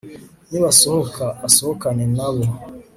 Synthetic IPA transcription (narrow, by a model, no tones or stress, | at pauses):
niβasohokʰaasohokanenaβo